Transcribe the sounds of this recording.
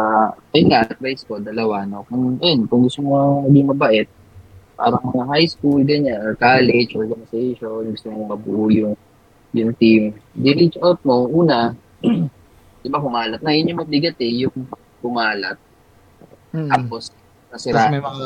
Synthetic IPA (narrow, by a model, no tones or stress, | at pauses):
a | ɐjŋaʔt̪̚ɾajskod̪ɐlɐwanokʊŋɐjonkʊŋɡʊst̪omomɐɡɪŋmɐbɐʔɛt̪̚ | pa̰ːɾɐŋmɐŋahajskulɡɐɲanʔokaːlɛd͡ʒʔoɹɡɐnɪsejʃonɡʊst̪omomɐbʊʔʊjʊŋ | jʊŋt̪imd̪ɪɾɪd͡ʒot̪̚moʔuːnɐ | d̪̥ɪbakʊmaːlɐt̪̚nɐjʊnɲʊŋmɐd̪ɪɡɐt̪ɛjʊŋ | kʊmaːlɐt̪̚ | t̪apos | nɐsɪɾaː